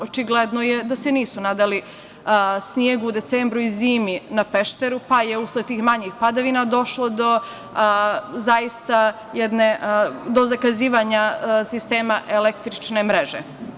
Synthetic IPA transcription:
o̞t͡ʃiɡled̪nojed̪ase̞niːsunad̪ali | snjeɡuud̪e̞t̪seːmbɾuiziːminape̞ʃt̪e̞ɾupajeusled̪̚t̪iːxmaɲixpad̪aʋinad̪o̞ʃlˠo̞d̪o̞ | zajist̪a | jɛd̪ned̪o̞zakaziːʋaɲasist̪eːmaʔelekt̪ɾit͡ʃnemɾe̞ʒḛ

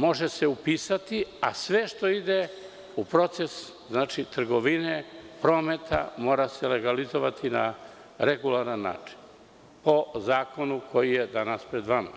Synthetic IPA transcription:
mo̞ʒeseupiːsat̪iasʋe̞ʃt̪o̞id̪e | upɾo̞t̪se̞s | znaːt͡ʃit̪r̩ɡo̞ʋinepɾo̞ːme̞t̪ʰa̰mo̞ːɾasele̞ɡalizoʋat̪ʰina̰ | ɾeɡulaɾanːa̰ːt͡ʂi̥n | po̞zaːko̞nukʰo̞jijed̪anaspɾed̪ʋama̰

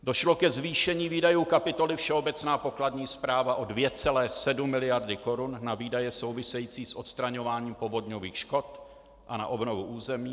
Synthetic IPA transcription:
doʃlo̞kɛzviːʃɛɲiːviːdajuːkapɪt̪o̞lɪfʃɛo̞bɛt͡snaːpo̞kladɲiːspɾaːvaʔo̞dvjɛt͡sɛlɛːsɛdumːɪlɪjaɾdɪko̞ɾunːaviːdajɛso̞wvɪsɛjit͡siːsʔo̞t̪st̪ɾaɲo̞vaːɲiːmpo̞vo̞dɲoviːxʃko̞t̪ | ʔana̰ʔo̞bno̞vuʔuːzɛmiː

